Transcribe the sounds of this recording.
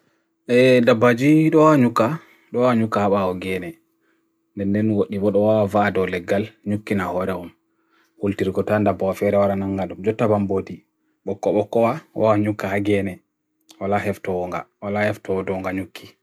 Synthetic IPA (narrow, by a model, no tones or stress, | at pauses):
ʔɛdabːad͡ʒiɗɔwɲukːa | ɗɔwaɲukːahaɓaɔɡɛnɛ | ndɛndɛnwoɗibɔɗɔwawavaːdɔlɛɡːalɲukːinahɔɾɛɔm | hultiɾɡɔtandabɔwafɛɾɛwaɾanaŋɡaɗumd͡ʒɔtːabambodi | ɓɔkːɔɓɔkːɔwaa̰waɲukːahaɡɛnɛ | walahɛftɔwɔŋɡa̰walahɛftɔwdɔŋɡaɲukʰːi̥